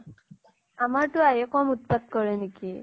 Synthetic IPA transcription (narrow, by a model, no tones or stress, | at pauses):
amaɹtʊajɔkɔmut̪̚pat̪̚kɔɹɛniki